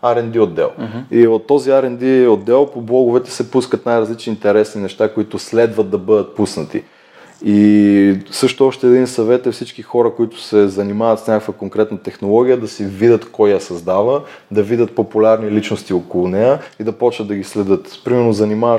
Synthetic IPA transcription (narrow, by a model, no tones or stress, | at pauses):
aɾɛnd̪iod̪ːɛ̰lˠiot̪ːɔziaɾɛnd̪iod̪ːɛlˠpoblˠɔɡʊvɛt̪ɛ̥sɛpuskət̪najɾɐzlit͡ʃniːnt̪ɛɾɛsninɛʃt̪akoit̪ʊslɛd̪vət̪̚d̪ɐbɤd̪ət̪̚pusnət̪ḭ | i | sɤʃt̪oɔʃt̪ɛːd̪insɐvɛt̪ɛfsit͡ʃkixɔɾɐkoit̪ʊ̥sɛzɐnimavət̪snʲakəkvəkoŋkɾɛt̪nət̪ɛxnolˠɔɡʲijəd̪ɐsɛvid̪ʲət̪kɔjjɐsɐzd̪avəd̪ɐvid̪ʲət̪̚populʲaɾnilit͡ʃnost̪iokolˠʊnɛjəid̪ɐpɔt͡ʃnəd̪ːɐɡislɛd̪ɤt̪pɾimɛɾnozɐnimavə